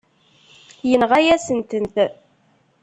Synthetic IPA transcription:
jənʁæjæsənt̪ənt̪

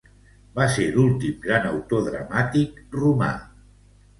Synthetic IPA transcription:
baseɾulˠt̪imɡɾanəwt̪oðɾə̰mat̪ik̚ruma̰

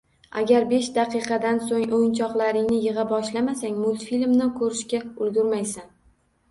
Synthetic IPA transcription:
a̰ɡʲaɾbe̞ʃd̪aqɨjqʰɑd̪ansoŋʔojnt͡ʃʰɒqlˠaɾɪŋnɪjɨʁɑbɒʃlamasaŋʲmʊlt̪filʲmnɪkʰɵɾɪʃkʲaʊlɡʲʊɾmajsan

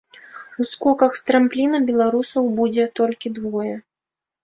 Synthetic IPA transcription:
uskɔkɐxst̪ɾamplʲinɐbʲɛlˠaɾusɐwbud͡zʲɛt̪ɔlʲkʲid̪vɔjɛ

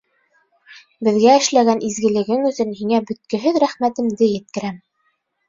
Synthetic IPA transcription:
bɘ̆ðɡæɘ̆ʃlæɡænʔizɡɘ̆lɘ̆ɡɘŋɵ̆sɵnɦiŋæbɵ̆t̪̚kɘ̆ɦɘðɾæχmæt̪ɘ̆md̪ɘjɘ̆t̪̚kɘ̆ɾæm

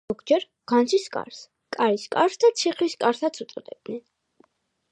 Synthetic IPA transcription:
ɔɡd͡ʒɛɾ | ɡ̥ant̪sʰiskʼa̰ɾs | kʼaɾiskʼaɾsd̪at̪sʰiχliskʼaɾsat̪sʰut̪sʼɔd̪ɛ̰b̚d̪nɛn

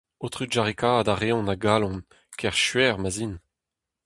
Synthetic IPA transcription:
ot̪ʁyʒaʁikaːdaʁeɔ̃naɡaːlɔ̃n | kʰɛʁʃɥɛːʁmazin

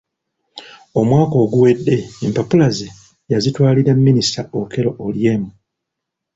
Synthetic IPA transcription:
o̞mwaːko̞ːɡuwe̞dːe̞ːmpapulaze | jazitwaːliɾamːinistaoke̞ɾo̞ʔolje̞ːmu

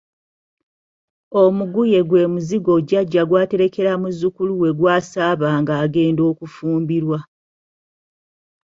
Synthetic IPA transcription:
o̞muɡuje̞ɡwe̞ːmuziɡo̞ɟaɟːaɡwaːte̞ɾe̞ke̞ɾamuzukuluwe̞ɡwaːsaːβaːŋɡaːɡe̞ːndo̞ːkufuːmbiɾwa

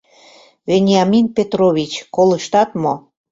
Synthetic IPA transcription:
venʲɑminpet̪roβit͡ɕkoləʃt̪ɑt̪mo

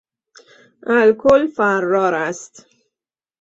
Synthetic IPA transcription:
ʔælkʰolfæɾːɒːɾæst̪

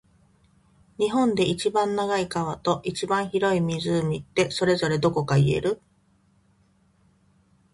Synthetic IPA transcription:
ɲ̟iɦõ̞nd̪e̞it͡ɕibãnːaɡaikaβ̞at̪o̞ʔit͡ɕibãɰ̃çiɾo̞imʲizɨːmʲit̪ːe̞so̞ɾe̞zo̞ɾe̞d̪o̞ko̞kaie̞̰ɾɯ̟

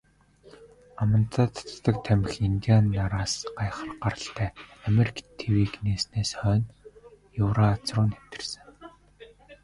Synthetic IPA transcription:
amə̆nt̪ʰaːt̪ʰt̪ːə̆k̚t̪ʰæmɪ̆xiŋt̪ianːaɾaːsɢ̥ajχə̆rɢaɾə̆ɬt̪ʰæːameɾʲikʰt̪ʰewiːkneːsneːsχœːn | jʊːɾaːt͡srʊːnem̥t̪ɘ̆rsɘ̆ŋ

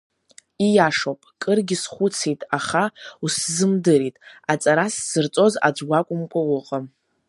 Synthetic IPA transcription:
ijaʂopʼkʼɨrɡʲɪsχʷʊt͡sʰejtʼaχauszɨmdɨɾitʼat͡sʼaɾasz̥ɨrt͡sʼo̞za̰d͡ʒʷɡʷakʷʼʊmkʷʼawʊqʼam

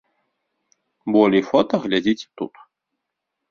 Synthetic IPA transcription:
bɔlʲifɔt̪ɐɣlʲad͡zʲit͡sʲt̪ṵt̪

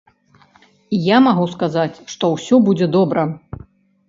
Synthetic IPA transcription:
ijamaɣuskazat͡sʲʂt̪ɔwsʲɔbud͡zʲɛd̪ɔbɾɐ

